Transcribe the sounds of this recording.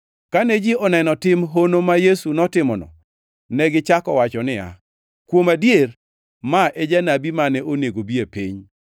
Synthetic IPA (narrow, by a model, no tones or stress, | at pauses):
kanɛd͡ʒɪɔnɛnɔtɪmɦonomajesunɔtɪmɔnɔ̰ | nɛɡɪt͡ʃakɔwat͡ʃɔnɪja̰ | kwomadjer | maʔɛd͡ʒanabimanɛʔoneɡobiepḭɲ